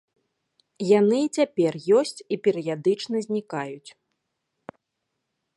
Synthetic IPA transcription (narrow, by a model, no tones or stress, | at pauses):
janɨt͡sʲapʲɛrjɔsʲt͡sʲipʲɛɾɨjad̪ɨt͡ʂnɐzʲnʲikajut͡sʲ